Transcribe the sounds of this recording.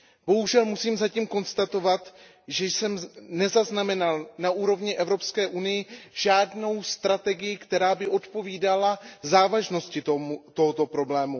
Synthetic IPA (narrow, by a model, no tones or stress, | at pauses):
b̥o̞ɦuʒɛlmusiːmzaciːmko̞nst̪at̪o̞vat̪ | ʒɛjsɛmnɛzaznamɛnalnaʔuːɾo̞vɲɪʔɛvɾo̞pskɛːʔunɪjɪʒ̥aːdno̞wst̪ɾat̪ɛɡɪjɪkt̪ɛɾaːbɪʔo̞t̪po̞viːdalazaːvaʒno̞scɪt̪omut̪o̞ɦot̪o̞pɾo̞blɛːmu